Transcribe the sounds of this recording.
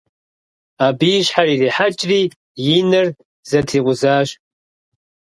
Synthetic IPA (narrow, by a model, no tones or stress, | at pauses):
aːbiɕħariːriːħat͡ʃʼriː | jɪnɨr | z̥ɐtʰiːqʷʊzaːɕ